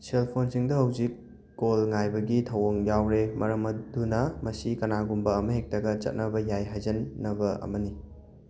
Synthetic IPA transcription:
selpʰonsiŋdɐɦɐwzikː | olŋajbɐɡitʰɐwɐŋjawɾemɐɾɐmɐdunɐmɐsikɐnaɡumbɐːmɐɦek̚tɐɡɐt͡ʃɐ̰t̚nɐbɐjajɦajzɐnːɐbɐɐ̰mɐni

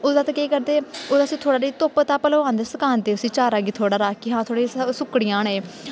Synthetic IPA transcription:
ʊːd̪ãːt̪ãːkeːkəɾd̪eːoːd̪aːəsĩːt̪ʰoːɽaːɾiːt̪ʊpt̪aːpəloːãːnd̪eːsəkaːnd̪eːʊsĩːt͡ʃaːɾaːɡiːt̪ʰoːɽaːɾaːkiːɦãːt̪ʰoːɽeːsʊkɽɪjãːneː

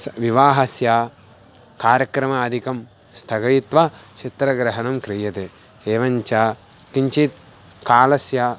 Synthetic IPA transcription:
ʋiʋaːɦɐsjaː | kaːɾjɐkɾɐmɐːd̪ʱikɐm | st̪ʰɐɡɐjit̪ʋɐt͡ʃʰit̪ɾɐɡɾɐɦɐnɐmkɾijɐt̪e | eːʋɐɲt͡ʃɐ | kiɲt͡ʃit̪̚ | kaːlɐsja

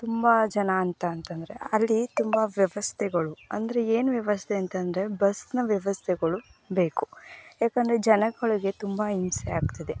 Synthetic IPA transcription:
t̪umbɐd͡ʒɐnaːnt̪ɐːnt̪ɐnd̪ɾe̞̰ɐlːit̪umbɐʋjɐʋɐst̪ʰɛɡɐɭuɐnd̪ɐɾe̞eːnʋjɐʋɐst̪ʰeɐnt̪ɐnd̪ɾe̞bɐsnɐʋjɐʋɐst̪ʰɛɡɐɭubeːku̥jaːkɐnd̪ɾe̞d͡ʒɐnɐɡɐɭiɡe̞t̪umbɐinsɛjaːɡt̪ɐd̪e̞

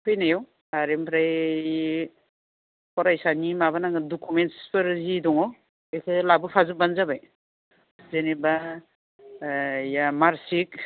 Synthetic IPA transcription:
kʰɯjnajɔw | aɾempʰɾaj | kʰɔɾajsanimaβanaŋɯdɔkʰumentspɯɾzidɔŋɔ | ekʰɯlabɯpʰazɯbanzabaj | zeneba | jamaɾsik̚

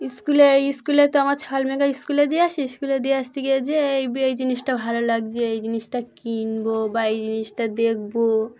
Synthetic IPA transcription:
iskuleiskulet̪ɔəmaɾt͡ʃʰaalmekaiskuled̪iasʰiiskuled̪ijast̪iked͡ʒeːjbiejd͡ʒinisʈabʱalolaɡd͡ʒeejd͡ʒinisʈakinbobaejd͡ʒinisʈad̪ekʰbo

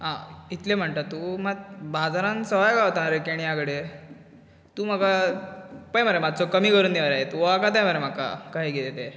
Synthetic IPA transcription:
ɦãit̪lem̤əɳt̪at̪ːuːmatbad͡zaɾãnsəʋajkaɦot̪aɾekeɽ̃ijakɽe | t̪uːm̤aka | pəjməɾemad̪̚t͡sɔkəmiːkəɾuːnd̪eʋəɾaɦet̪uʋoakat̪̬ãjməɾem̤aka̰kaɦjɡelet̪e

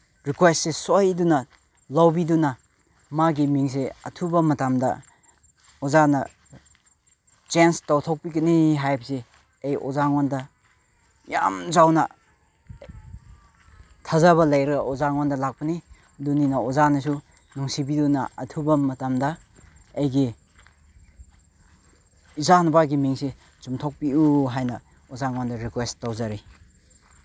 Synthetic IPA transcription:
ɾikwest̚sesojdunɐ | lawbidunɐ | maɡimiŋs̬eɐtʰubɐmɐtamdɐ̰ | ozanɐ̰ | t͡ʃenstawtʰok̚pikɐniɦajbɐse | ejo̰zaŋɔndɐ | ja̰mzawnɐ | tʰɐzɐβɐlɐjɾɐɡɔzaŋwandɐlak̚pɐni | duninɐozanɐsu | nuŋsibidunɐɐtʰubɐmɐtɐmdɐː | jɡi | zanbaɡimiŋse | t͡ʃumtʰok̚piuɦajnɐ | ɔzaŋwandɐɾikwestawzaɾi

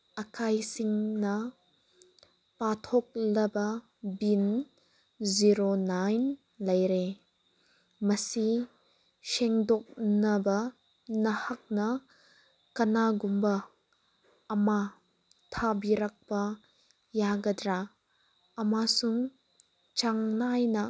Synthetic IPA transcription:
ɐkʰajsiŋnɐ | patʰok̚lɐbɐ | bin | ziɾonajn | lɐjɾe | mɐsi | seŋdok̚nɐbɐ | nɐhɐk̚nɐ | kɐnaɡumbɐ | ma | tʰabiɾɐk̚pɐ | jaɡɐdɾaː | masuŋ | t͡ʃaŋnajnɐ

